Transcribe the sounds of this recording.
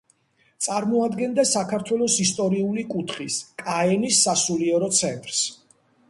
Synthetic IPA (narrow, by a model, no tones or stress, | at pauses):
t̪sʼaɾmɔad̪ɡɛnd̪asakʰaɾt̪ʰwɛlˠɔsist̪ʼɔɾiulikʼut̪ʰχiskʼaɛnisːasuliɛɾɔt̪sʰɛnt̪ʼɾs